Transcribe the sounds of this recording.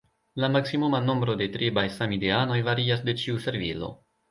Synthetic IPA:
lamaksimumano̞mbɾo̞de̞tɾibajsamideano̞jvaɾiasde̞t͡ʃiuse̞ɾvilo̞̰

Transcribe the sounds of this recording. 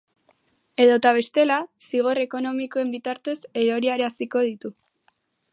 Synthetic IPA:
e̞ðo̞t̪aβ̞e̞st̪e̞lasiɣ̞o̞re̞ko̞no̞miko̞e̞mbit̪aɾt̪e̞se̞ɾo̞ɾiaɾeasiko̞ð̞it̪u

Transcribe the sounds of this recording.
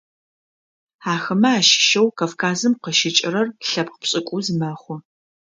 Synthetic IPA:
aːxɐmɐaːʃɪ̥ʃɐwkʰafkʰaːzɨmqəʃɪt͡ʃʼɪrɐrɬɐpqəpɕʼɪkʷʼʊzmɐχʷʊ

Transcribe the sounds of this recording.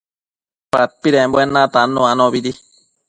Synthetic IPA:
pat̪̚piɾembwenãt̪anõanõβiɾi

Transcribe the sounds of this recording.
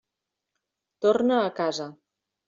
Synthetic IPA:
t̪ornəːkazə

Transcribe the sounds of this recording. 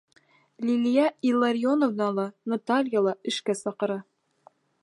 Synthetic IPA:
lʲilʲijɑilˠːaɾʲjonovnɑlˠɑnɐt̪alʲjalˠɑɘ̆ʃkæsɑqɤ̆ɾɑ

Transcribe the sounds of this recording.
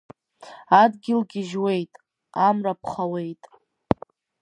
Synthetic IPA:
adɡʲɪlɡʲɪʒwe̞jtʼ | amrapʰχawe̞jtʼ

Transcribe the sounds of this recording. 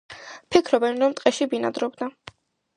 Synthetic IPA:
pʰikʰɾɔbɛnɾɔmt̪ʼqʼɛʃibina̰d̪ɾɔbd̪a

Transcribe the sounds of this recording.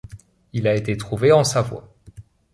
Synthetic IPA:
ilaet̪et̪χuveɑ̃savwa̰

